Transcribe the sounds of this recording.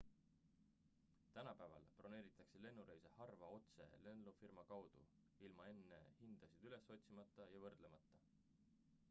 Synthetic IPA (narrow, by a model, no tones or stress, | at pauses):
t̪ænɑpæːvɑ̰lpro̞ne̞ːɾit̪ːˑɑksele̞nːuɾe̞jsehɑrvɑo̞t̪se̞̰le̞nlufirmɑkɑwd̪̥ṵ | ilmɑe̞nːe̞̰hind̪̥ɑsid̪̥yle̞so̞t̪ʲsimɑt̪ˑːɑjɑvɤrd̪̥le̞mɑt̪ːˑɑ